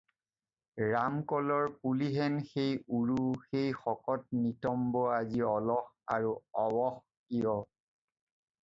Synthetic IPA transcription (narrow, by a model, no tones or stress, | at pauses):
ɹamkɔlɔɹpuliɦɛnxejuɹuxejxɔkɔt̚nitɔmbɔaziɔlɔx | aɹuɔwɔx | kiɔ